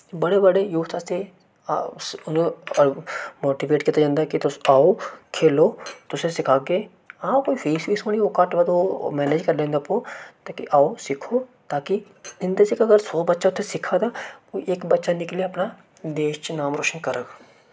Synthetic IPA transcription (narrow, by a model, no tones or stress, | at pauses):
bɐɽebɐɽejuːt̪ʰast̪e | ʊn | moːʈiʋeːʈkiːt̪ad͡ʒãːnd̪akit̪ʊaːokʰeːlot̪ʊsesɪkʰaːɡeː | aːkoːipʰeːsʋiːsoñiokaʈʋad̪omɛːneːd͡ʒkɐɾlẽːnd̪apõːt̪aːkiʔaːosɪkʰoːt̪aːki | zɪ̃nd̪əsekɐɡəɾsoːbɐtːʃaʊt̪ʰesɪkʰaːd̪aːoʔeːkbɐtːʃanɪklieɐpna | d̪eːʃt͡ʃnaːmɾoːʃənkɐɾəɡ